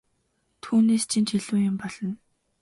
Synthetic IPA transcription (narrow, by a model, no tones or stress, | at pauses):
t̪ʰuːneːst͡ɕʰint͡ɕʰiɮuːjʊmpɔɮ̥ɞ̆n